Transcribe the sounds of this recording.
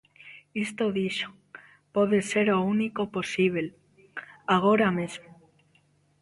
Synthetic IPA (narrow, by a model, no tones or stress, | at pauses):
ist̪oðiʃo̥ | poðeseɾounikoposiβ̞el | aɣ̞oɾamezmo